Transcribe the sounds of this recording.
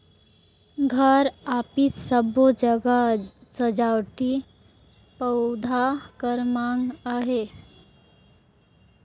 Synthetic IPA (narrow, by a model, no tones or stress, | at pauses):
ɡʱəɾapiːt͡ssəbod͡ʑəɡasəd͡ʑawʈi | pəwd̪ʱakəɾmaŋɡaɦe